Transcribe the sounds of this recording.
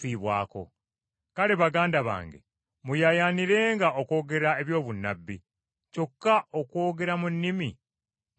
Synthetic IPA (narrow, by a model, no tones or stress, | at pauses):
iːβwaːko̞̰ | kale̞βaɡaːndaβa̰ːŋɡe̞̰ | mujajaːniɾe̞ːŋɡaʔoko̞ːɡe̞ɾae̞βjo̞ːβunːa̰bːi | co̞kːaokwo̞ːɡe̞ɾamunːimi